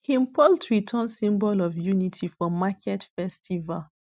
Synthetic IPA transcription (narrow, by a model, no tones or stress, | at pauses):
hĩmpʰɔltɹitʰɔ̃nsĩmbɔlɔvjunitʰifɔmakʰɛtfɛstʰival